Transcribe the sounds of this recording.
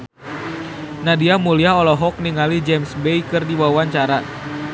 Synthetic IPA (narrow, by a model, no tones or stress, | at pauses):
nadiamuliaɦɔlɔɦɔk̚niŋalid͡ʒɛmsbejkɨrdiwawaɲt͡ʃaɾa